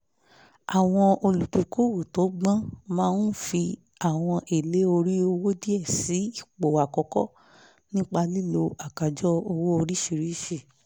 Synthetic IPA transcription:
a˨w̃ɔ̃˧o˧lu˨tũ˨˦ko˦wu˨to˨˦ɡ͡bã˦mãː˧n̩˦fi˧ | a˨w̃ɔ̃˧ʔe˨le˨˦o˧ɾi˦o˧wo˦di˦ɛ˦˨si˨˦i˦˨k͡po˨wa˨kɔ˨˧kɔ˦ | nĩ˦k͡pa˧li˦lo˧a˨ka˨d͡ʒɔ˦o˧wo˦o˧ɾi˦ʃi˧˨ɾi˦ʃi˦˨

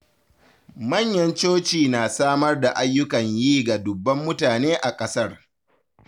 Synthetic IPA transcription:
mɐ˦˨ɲjɐ˦nt͡ʃoː˦t͡ʃiː˨naː˨saː˦mɐ˦rda˨ʔa˦jːʊ˦kɐ˨ɲjiː˦ɡa˨dʊ˨bːɐ˦mːʊ˦taː˨neː˦ʔa˨kʼɐ˦sɐ˦r

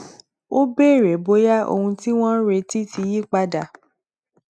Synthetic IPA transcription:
o˦be˦˨ɾe˨bo˨˦ja˦o̰˧hũ˧ti˦w̃ɔ̃˦ɾe˧ti˦ti˧ji˦k͡pa˧da˨

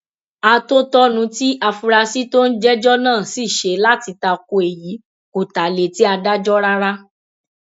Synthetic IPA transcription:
a˧to˦tɔ˦nũ˨˧˦ti˦ʔa˧fu˧ɾa˧si˦to˦n̩˦d͡ʒɛ˦d͡ʒɔ˦nãː˦˨si˦˨ʃe˧˦la˦ti˧ta˧k̚o˧e˨ji˨˦ | ko˨ta˨le˨ti˦a˧da˦d͡ʒɔ˦ɾa˦ɾa˦

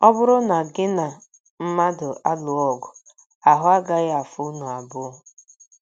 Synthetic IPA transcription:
ɔ˦bʊ˦ɾʊ˦na˨ɡɪ˦na˨ | m̩˦ma˦dʊ˨ʔa˦lʊ˨ɔ˦˨ɡʊ˨ | a˨ɦʊ˦a˦ɡa˦ɣɪ˦a˨fʊ˦u˦nu˨a˨bʊ˦˨

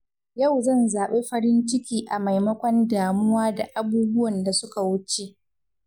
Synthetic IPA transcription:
jɐ˦˨wzɐ˦˨nzaː˨ɓeː˦ɸɐ˦ɾɪ˦nt͡ʃɪ˦kʲiː˦ʔa˨ma˨jmɐ˦kʷɔ˦ndaː˨mʊ˦waː˦da˨ʔa˨buː˦bʊ˦wɐ˨nda˨sʊ˦ka˨wʊ˦t͡ʃe˨ʔ

